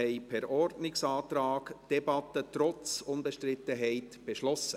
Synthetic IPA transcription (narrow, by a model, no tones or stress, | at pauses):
ɛɪpʰɛɾɔɾdnɪksɑːt̪ɾaːɡd̥ɛbɑt̪ət̪ɾɔt͡sʊnbɛʃtɾɪt̪ːəɦɛɪtb̥eʃlɔsə